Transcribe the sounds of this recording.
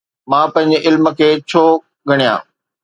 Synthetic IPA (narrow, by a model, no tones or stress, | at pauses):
mãpɐ̃ɦɪ̃ɲd͡ʑʔɪlməkʰeːt͡ɕʰoː | ɠʱɐɽ̃ijã̰ː